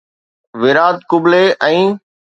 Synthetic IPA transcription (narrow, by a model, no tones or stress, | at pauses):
ʋɪɾaːd̪kʊbleʔɛ̃ː